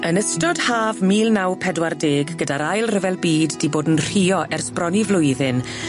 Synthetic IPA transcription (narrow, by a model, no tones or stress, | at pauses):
ənəstɔd̥haːvmiːlˠnawpʰɛdwardeːɡɡədaɾajlˠrəvɛlˠbiːdːiboːdn̩r̥iːɔʔɛrsprɔnivlˠʊjðɪn